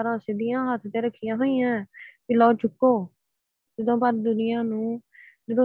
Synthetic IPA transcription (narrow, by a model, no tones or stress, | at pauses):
ɾãːsɪd̪ɪjãːɦət̪ʰt̪ẽːɾəkʰːɪjãːɦoːiːjãːkɪlɔːt͡ʃʊkːoː | d͡ʒɪd̪õːpəɾd̪ʊnɪjãːnũːd͡ʒɪd̪õː